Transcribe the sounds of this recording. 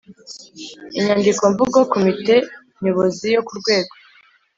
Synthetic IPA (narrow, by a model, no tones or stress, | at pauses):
iɲandiko̞ɱvuɡo̞komite̞ | ɲ̥oβozijo̞kuɾɡwe̞ːɡo